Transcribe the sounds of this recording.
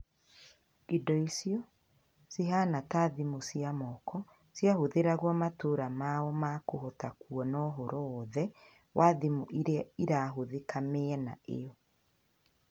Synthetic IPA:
idɔisiɔ | siɦanataðimosiamɔkɔ | sjahoðeɾaɣwɔmatoɾamaɔmakoɦɔtakwɔnɔɦɔɾɔːðɛ | wʔaðimoʔiɾeaiɾaɦoðekameɛnaḛɔ

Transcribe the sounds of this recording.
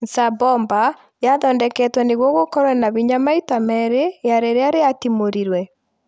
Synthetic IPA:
nsabɔmba | jaðɔːndɛkɛtwɛneɣwɔɣokɔɾwɛnaβiɲamaitamɛɾejaɾeɾeaɾeatimoɾiɾwɛ

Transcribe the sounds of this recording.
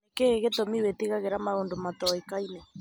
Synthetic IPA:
ekeɣetomiwetiɣaɣeɾamaɣondomatɔikainɛ

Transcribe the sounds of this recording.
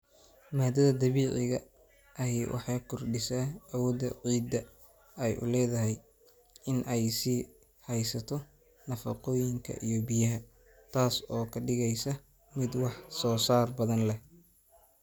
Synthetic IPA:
maːd̪ɐðɐd̪ɐβiːʕɪɣɐ | ʔɐɦiːwʔɑ̰ħɑːkʰʊrɖɪsaːɐwɔːd̪ɐ̰ʕiːd̪ɐ | ɛjʔʊ̰lɛːðɐɦɛj | ɪnʔɛjsiː | hɛjsɐt̪ʰɔ | nɐfɐ̰qɔːjɪŋkʰɐ̰ʔijɔbɪjɐɦɐ | t̪ʰaːsɔːkʰɐɖɪɣɛjsɐ | mɪd̪wɑħsɔːsaːrbɐðɐnlɛ

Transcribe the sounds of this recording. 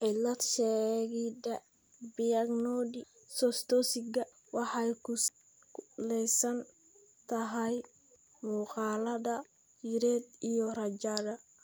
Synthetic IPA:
ʔɪlɐt̪ʃɛɣidɐ | bijɐɡnɔdi | sɔst̪ɔsɪɡɐ | wɑħɑjkʰʊ | lɛjsɐn | t̪ʰɐɦɐj | muːqɑːlɐðɐ | jiɾɛːd̪ijɔrɐd͡ʒaðɐ

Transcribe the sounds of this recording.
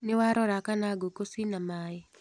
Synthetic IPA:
nɪwaɾɔɾakanaɡokoswinamaːjɛ

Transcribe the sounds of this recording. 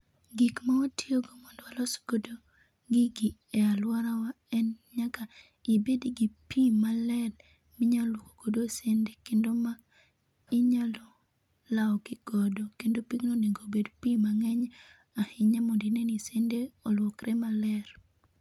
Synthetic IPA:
ɡikmaotioɡomɔndwalɔsɡodo | ɡɪɡɪɛalwaɾawa | ɛnɲaka | ibedɡipimalɛl | mɪɲalwoko̥ɡ̥odosendekendoma | ɪɲalɔ | laɔɡɪɡ̥ɔdɔkendopiknoneŋɡobedpimaŋɛɲ | ahɪɲamondinenisendeɔlwɔkɾɛmalɛɾ

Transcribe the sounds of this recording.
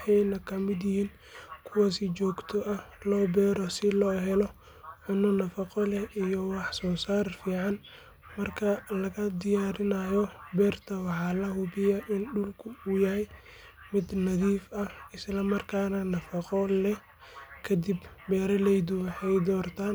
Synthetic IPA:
ħɑjnɐkʰɐmɪd̪jɪhiːn | kʰʊwaːsɪt͡ʃɔːɡt̪ʰɔʔɐlɔːbɛːɾɔsɪlɔːɦɛlɔ | ħʊnʊnɐfɑqɔlɛʔijɔwɑħsɔːsaːrfiːʕɑn | mɐrkʰɐlɐɣɐd̪ɪjaːɾɪnajɔbɛːrt̪ʰɐwɑħɑːlɐɦʊbɪjɐʔɪnɖʊlkʰʊʊjɐɦɛj | mɪd̪nɐðiːfɐhɪslɐmɐrkʰaːnɐnɐfɑqɔlɛ | kʰɐd̪ibbɛːɾɐlɛjd̪ʊwɐħɛjd̪ɔːrt̪ʰaːn

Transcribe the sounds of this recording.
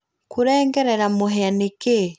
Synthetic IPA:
kuɾɛːŋɡɛɾɛɾamoɦɛaneke

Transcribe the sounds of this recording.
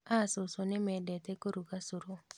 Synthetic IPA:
asosonemɛdɛtɛkoɾukasuɾo

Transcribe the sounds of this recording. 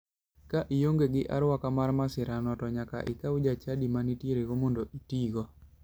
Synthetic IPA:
kaʔijoŋɡeɡɪʔaɾwakamarmasɪɾanɔtɔɲaka̰ʔɪ̰kaʊd͡ʒat͡ʃadimanitjeɾeɡomondoʔitiɡɔ

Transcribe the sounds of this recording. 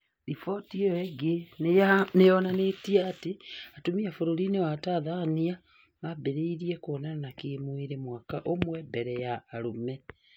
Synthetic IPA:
ɾifɔtiɔɛɡennejɔnanetiaːteatomiafoɾoɾinewataːðaːnia | mabeɾeiɾiɛkwɔnananakeːmweɾemwakaʔomwɛbɛɾɛjaːɾomɛ

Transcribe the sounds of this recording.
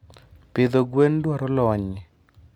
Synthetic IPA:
pɪd̪oɡwendwaɾɔlɔɲi

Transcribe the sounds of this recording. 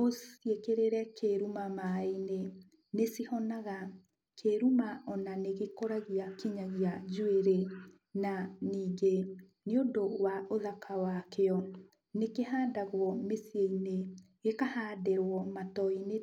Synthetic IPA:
osjekeɾeɾɛkʰeɾumamaine | nesihɔnaɣa | kʰeɾumaʔɔnaneɣekoɾaɣiakiɲaɣiad͡ʒueɾe | naniːɡe | neondowaoðakʰawakeɔ | nekeɦaːndaɣwɔmesieineɣekahaːdeɾwɔmatɔine

